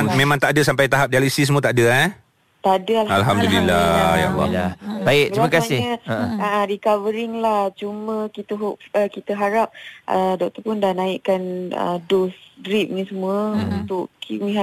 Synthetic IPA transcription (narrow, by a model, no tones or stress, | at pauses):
mẽmãŋt̪aʔdəsampajt̪aɦap̚dialusis̬əmuət̪aʔdəa | t̪adəalalɦamd̪ulilaja̰la̰jabaɪʔ̚t̪ɾimakasɪhɲəəəʔə̃ɾikavəɾɪŋlaht͡ʃumə̃kit̪əɦoəkit̪əɦaɾap̚ʔədɔk̚t̪əpʊndahnaiʔkanə̰dosdɾip̚ɲəsəmuəunt̪ʊʔkiwiɦa